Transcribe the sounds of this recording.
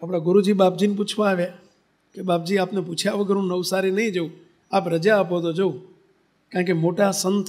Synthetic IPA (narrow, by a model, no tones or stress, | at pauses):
apɽ̃aɡʊɾud͡ʒiɓapd͡ʒinp̬ut͡ʃʰʋãːʋja | keɓapd͡ʒiapneput͡ʃʰjaʋəɡʱəɾɦũnəʊsaɾinəɦĩd͡ʒoũ | apɾəd͡ʒaːpot̪od͡ʒoũ | kãkemoʈasənt̪